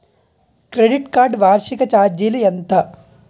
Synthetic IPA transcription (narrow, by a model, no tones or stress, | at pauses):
kɾeɖiʈkaːɾɖʋaːɾʃikɐt͡ʃaːd͡ʒilijɐnt̪ɐ